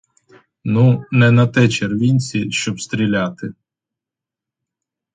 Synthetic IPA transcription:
nunɛnɐt̪ɛt͡ʃerʋʲinʲt͡sʲiʃt͡ʃɔpst̪ɾʲilʲat̪ɪ

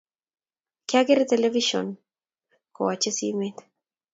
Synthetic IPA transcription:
kjaɡeɾt̪eleviʃo̰n | ko̰wat͡ʃesḭmet̪

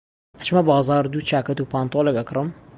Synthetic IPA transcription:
ɐt͡ʃmɐbaːzaːɾd̪ut͡ʃaːkɐt̪upaːnt̪olɛkɐkɾɨm

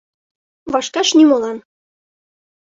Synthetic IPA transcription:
βɑʃkɑʃnimolˠɑn

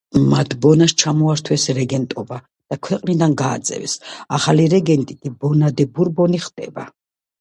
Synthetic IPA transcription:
mat̪ʰbɔnast͡ʃʰamɔaɾt̪ʰwɛsɾɛɡɛnt̪ʼɔba | d̪̥akʰwɛqʼnid̪anɡa̰ːd̪zʼɛ̰vɛ̰saχaliɾɛɡɛnt̪ʼit̪ʰʼibɔnad̪ɛbuɾbɔniχd̪ʼɛ̰ba

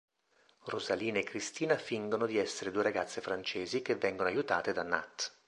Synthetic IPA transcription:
rʔozaliːnaekːɾist̪iːnafiŋɡonod̪iɛsːeɾed̪uːeɾaɡat̪sːefɾant͡ʃeːzikevːɛŋɡonoajut̪a̰ːt̪ed̪ana̰t̪ː

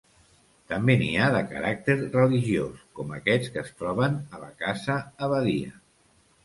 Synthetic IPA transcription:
t̪əmbeniaðəkə̰ɾak̚t̪eɾrəliʒioskɔməkɛt͡skəst̪ɾɔβ̞ənələ̰kazəːβəðiə̰

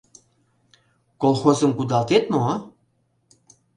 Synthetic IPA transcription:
kolˠxozəmkud̪ɑlt̪et̪mo

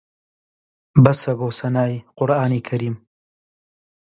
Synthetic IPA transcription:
bɐsɐbosɐnaːjqʊɾɑːnekʰɐɾiːm

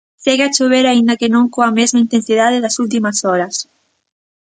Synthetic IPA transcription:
seɣat͡ʃoβeɾaind̪ɐkenõŋkoɐmezmaint̪ẽnsiðað̞eðɐsult̪̬imɐsɔɾɐs

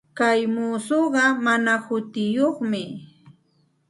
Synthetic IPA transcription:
kajmuːsoɢɑmanahʊt̪ɪjoχmɪ

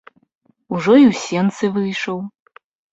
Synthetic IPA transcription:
uʐɔiwsʲɛnt̪sɨvɨjʂɔw

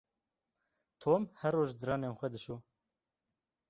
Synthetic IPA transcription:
t̪ʰoːmhɛrːoːʒd̪ɨɾɑːneːnxʷɛd̪ɨʃuː

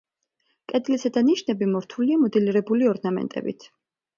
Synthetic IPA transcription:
kʼɛd̪lisɛd̪aniʃnɛbimɔɾt̪ʰuliamɔd̪ɛliɾɛbuliɔɾnamɛ̰nt̪ʼɛ̰bḭt̪ʰ

